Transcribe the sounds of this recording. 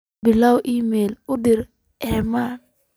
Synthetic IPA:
bɪlawʔimelʊdɪɾ | ɛman

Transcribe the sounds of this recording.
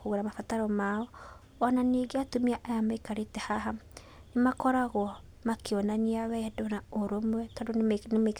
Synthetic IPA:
koɣoɾamafataɾɔmaɔ | ɔnaniːɡeatomiaʔajamaekaɾetɛhaɦa | nemakɔɾaɣwɔ | makeɔnaniawɛɛdɔnaoɾomwɛtadonme

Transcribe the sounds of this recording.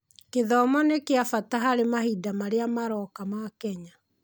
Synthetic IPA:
keðɔmɔnekeafataɦaɾemahidamaɾeamaɾɔkamakɛɲa

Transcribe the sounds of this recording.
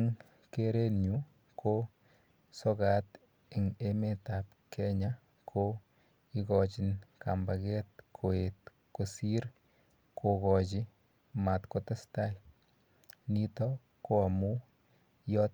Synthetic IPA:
ŋ | keɾenɲu | ko | sokat̪ | ɪŋemetap | kʰɛɲa | kʰo | ikɔt͡ʃinkambakɛt̪̚kʰoet | kosiɾ | kʰokɔt͡ʃi | mat̪kotastaj | nit̪ɔ | koamu | jɔt

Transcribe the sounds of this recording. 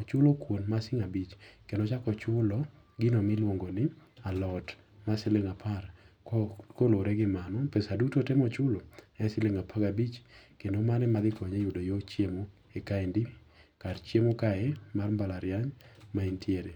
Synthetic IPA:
ɔt͡ʃʊlokwonmasɪŋabit͡ʃkendot͡ʃakɔt͡ʃʊlɔɡɪnomɪlwoŋɡonɪalɔt | masɪlɪŋapʰar | koloɾɛɡɪmanɔpesadutotɛmɔt͡ʃʊloɛsɪlɪŋapʰaɡabit͡ʃkendomanɛmad̪ɪkɔɲejʊdojot͡ʃjemo | ekaendikart͡ʃjemokaɛmarmbalaɾjaɲmaintʰjeɾe

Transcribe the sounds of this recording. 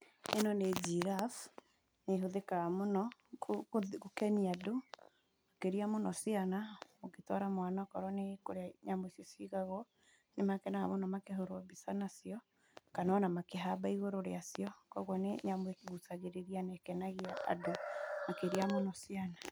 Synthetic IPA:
enɔned͡ʒiɾaf | neɦoðekamonɔ | kokɛmiado | akeɾiamonɔsianaoketɔɾamwanakɔɾɔnekoɾeaɲamwesjɔsiɣaɣɔ | nemakɛnaɣa̰monɔmakeɦoɾobisanasijɔ | kananamakeɦabaiɣoɾoɾeasijɔkɔɣwɔneɲamwekeɣutaɣeɾeɾianɛkɛnaɣiaa̰domakeɾiamonɔsiana

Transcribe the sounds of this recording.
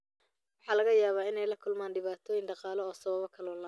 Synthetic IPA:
wɑħɑːlɐɣɐjaːβaːɪnɛjlɐkʰʊlmaːnɖɪβaːt̪ʰɔːjɪŋɖɑqɑːlɔɔːsɐβɐβɔkʰɐlɔːnlɐ

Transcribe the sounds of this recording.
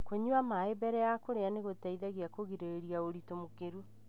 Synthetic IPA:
koɲuamaebɛɾɛjakoɾeaneɣotɛiðaɣiakoɣiɾeɾeɾiaoɾitomokeɾu

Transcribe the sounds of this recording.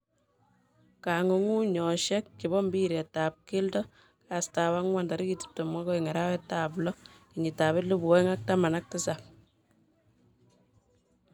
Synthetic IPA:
kaŋoŋuɲɔʃɛk̚ːiβɔmbiɾetap̚kiltɔ | kastawaŋwandaɾikiti̥p̚tomwakɔiŋeɾawɛtaplɔkiɲitaβetlubɔŋak̚tamanak̚tɪsap̚

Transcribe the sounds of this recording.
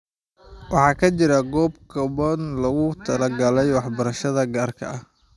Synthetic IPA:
wɑħɑːkʰɐt͡ʃɪɾɐɡɔːbkʰɐbɐnlɐɣʊt̪ʰɐlɐɡɐlɛjwɑħbɐɾɐʃɐðɐɡaːrkʰɐ̰ɐh

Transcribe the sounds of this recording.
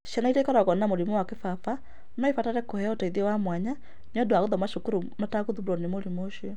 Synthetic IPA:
ʃanaiɾekɔɾaɣɔnamoɾimɔwakefafa | nɔefataɾɛkohɛaotaiðiwamwaɲa | nɔdoaɣoðɔmaʃokuɾumataɣoðubuɾɔnemoɾimoʃiɔ

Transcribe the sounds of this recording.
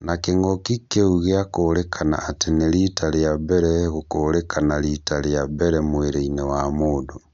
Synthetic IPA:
nakeŋɡɔkikeuɣeakoːlɛkʰana̰ːtenelitaljabɛɾɛɣokoɾɛkanalitaljabɛɾɛmweɾeinewamoːdo

